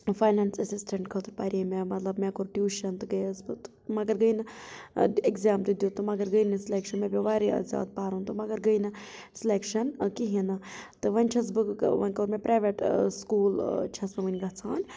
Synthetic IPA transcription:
faːjnaːnsɐsisʈɐɳʈkʰɐt̪upaːɾʲimemɐt̪lɐbmẽkoɾʈjuːʃɐnt̪ɨɡɐjɐsbɨt̪ | mɐɡɐɾɡəjnɨ | ekzaːmt̪ɨd̪ʲjuːt̪ɨmɐɡɐɾɡəjnɨsileːkʃɐnmẽbʲiʋaːɾḭzja̰ːd̪̚paːɾunt̪umɐɡɐɾɡəjnɨ | sileːkʃɐnkiɦinɨt̪ɨʋɐnʲt͡ʃʰɐs̬bɨʋɐ̰nʲkoːɾmẽpɾaːʋeʈskuːlt͡ʃʰɐsbɨʋɐnʲɡɐt͡sʰaːn

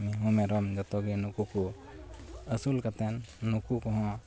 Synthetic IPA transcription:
miɦũmeɾɔmd͡ʒɐt̪ɔɡinukuku | əsulkɐt̪ɛnːukukɔɦɔ̃

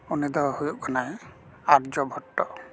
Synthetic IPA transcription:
unid̪ɔɦɔhujuʔkʰanaj | aɾd͡ʒɔbʱɔʈːɔ

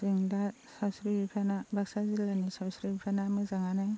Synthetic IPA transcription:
siŋda | sawsɾibipʰanabʱaksazilanisawsɾibipʰanamɯzaŋanɯŋ

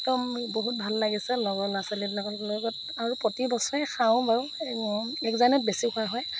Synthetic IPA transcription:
tɔmboɦut̚bʱalːaɡisɛlɔɡɔnasalitnakɔlloɡɔt | aɹupɹɔtibɔsɔɹɛxawʊ̃baɹ | ɛkzanɔt̚besikʰʊaɦɔj

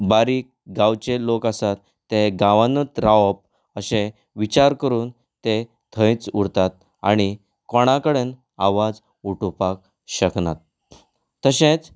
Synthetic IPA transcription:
baɾiːk̚ | ɡãwt͡ɕelokasat̪ːeɡaʋanət̪ɾaʋp̚ | əɕẽ | ʋit͡ɕaɾkəɾuːn | t̪e | t̪ʰə̃jt͡suɽt̪at̪̚ | a̰ɽ̃i | kɔɽ̃akəɽen | aʋad͡z | uʈupak̚ | ɕəknat̪̚ː | əɕẽt͡s

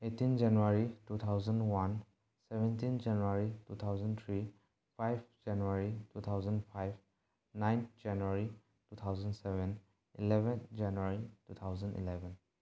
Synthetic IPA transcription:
etːind͡ʒanuaɾitut̪ʰawzəndwan | sebɛ̃ntind͡ʒanuaɾitut̪ʰawzənt̪ʰɾi | pʰajbd͡ʒanuaɾitut̪ʰawzəndpʰajb | najnt̪ʰd͡ʒanuaɾi | tut̪ʰawzənsɛbɛn | ilebʱɛnd͡ʒanuaɾitut̪ʰawzəndḭlɛbʱɛn

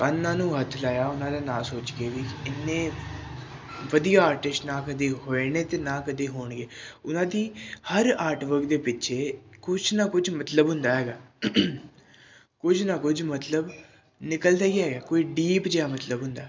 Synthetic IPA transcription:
kanːãːnũːɦət̪ʰlaːjaːʊnãːd̪aːnaːlsoːt͡ʃɡeːʋiːkɪnːẽː | ʋəd̪ijaːaːɾʈɪsʈnãːkəd̪eːɦoːeneːt̪eːnaːkəd̪eːɦoːɳɡeːʊnãːd̪iːhəɾaːɾʈʋəkd̪eːpɪtːʃʰeːkʊd͡ʒnaːkʊd͡ʒmət̪ləbɦʊ̃nd̪aːɦɛːɡaː | kʊd͡ʒnaːkʊd͡ʒmət̪ləb | nɪkəld̪aːiːɦɛːɡaːkoːiːɖiːpd͡ʒeːaːmət̪ləbɦʊnd̪aː

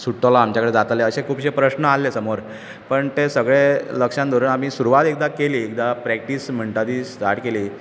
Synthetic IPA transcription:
suʈːəlaamt͡ɕjakəɽed͡zat̪aleəɕekʰuːpɕepɾəɕnəalːesəmoɾ | pəɳt̪esəɡɭeləkʂãnd̪oɾunam̤iːsuɾuʋat̪ek̚d̪akeliːekd̪apɾɛk̚ʈism̤əɳʈ̪ad̪iːst̪aʈkeliː

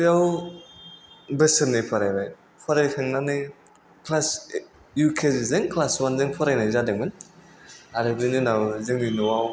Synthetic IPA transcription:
ɯjaw | bɯsɯnːɯpʰɔɾajbaj | pʰɔɾajkʰaŋnanɯ | kʰlas | jukʰezzɯŋkʰlaswanzɯŋpʰɔɾajnajzadɯŋmɯn | aɾɯbɯnɯnawzɯŋninɔwaw

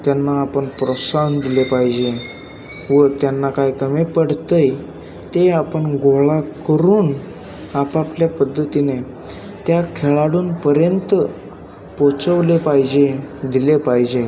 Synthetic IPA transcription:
t̪janːaːpəɳpɾəsand̪ilepaɦid͡ʑe | ʋət̪janːakajkəmepəɽ̤t̪əj | t̪eapəɳɡoɭakəɾuːn | apapljapəd̪ʱːət̪ine | t̪jakʰeɭaɽuːnpəɾjənt̪ə | pot͡səʋlepajd͡ʑed̪ilepaɦd͡ʑe

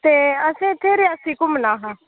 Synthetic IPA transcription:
t̪eːəsẽːt̪ʰeːɾeasiːkʊmnãːɦãː

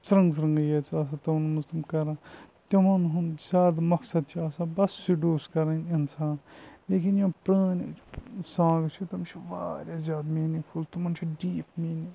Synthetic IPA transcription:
sɾɐ̃ŋɡsɾɐŋɡɐjeːt͡saːs̬at̪ɐmnmɐzt̪ɐmkɐɾãːt̪ɐmɐnɦunzʲjaːd̪mɐksɐd̪̚t͡ʃʰiaːsãbɐsːiɖuːskɐɾɐnʲɐnsʰaːnleːkinjõpɾaːnsãːɡt͡ʃʰit̪ɐmt͡ʃʰiʋa̰ːɾʲjazʲjaːd̪miːnipʰult̪umɐnt͡ʃʰiɖiːpmiːni

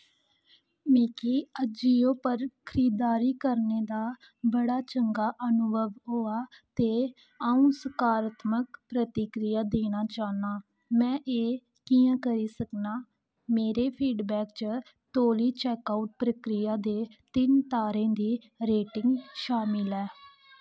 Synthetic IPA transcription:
mẽːkiːəd͡ʒiːõːpəɾkʰəɾiːd̪aːɾiːkəɾneːd̪aː | bəɽaːt͡ʃəŋɡaːʔənʊbʱəʋɦoːaːt̪eː | aːũːsəkaːɾət̪mək̚pɾət̪ɪkɾɪjaːd̪eːɽ̃aːt͡ʃaːnaː | mɛ̃ːʔeː | kiːãːkəɾiːsəknaː | meːɾeːpʰiːɖbɛːkt͡ʃ | t̪oːliːt͡ʃɛːkaːuʈ̚pɾəkɾɪjaːd̪eːt̪ɪnt̪aːɾẽːd̪iː | ɾeːʈɪŋɡʃaːmɪlɛː

